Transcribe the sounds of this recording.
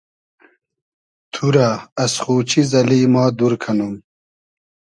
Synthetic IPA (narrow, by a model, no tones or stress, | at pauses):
t̪ʰuɾaɐsχuːt͡ɕʰizɐliːmɑːd̪uɾkʰɐnum